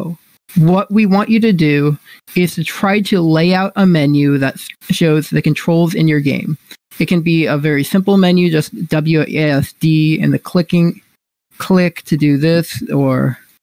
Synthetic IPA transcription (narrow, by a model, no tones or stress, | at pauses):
ʊ | wʌʔ̚wiwɑ̃nt͡ʃɨɾɨdʉ | ɪz̥tʰɨtʰɹ̥aɪɾɨleɪaʊɾʔəmɛnjʉðɨtʃoʊzðɨkɨ̃ntʰɹ̥oʊlˠzɨ̰̃njə˞ɡḛ̃ɪ̃m | ɨt̚kɨ̃nbiəvɛɹisɪ̃mpl̩ˠmɛ̃njʉd͡ʒʌsd̥ʌbl̩ˠjɛsd̥iɨ̰̃nðɨkʰl̥ɪkɪ̃ŋ | kʰl̥ɪktʰɨdɨðɪsə˞